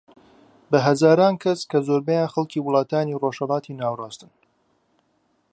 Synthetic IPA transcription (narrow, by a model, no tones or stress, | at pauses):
bɐɦɐzaːɾaːnkʰɐskɐzoːɾbɛjaːnxɐlˠciːwʊlˠɑːt̪aːniroʃhɐlˠɑːt̪ʰiːnaːwrɑːst̪ɨn